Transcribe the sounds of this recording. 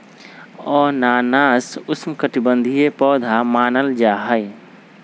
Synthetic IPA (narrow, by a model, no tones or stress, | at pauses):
ɔːɾnaːnaːsʊsmkəʈɪbə̃nd̪ʱijepɔːd̪ʱamaːnəld͡ʒaːɦəj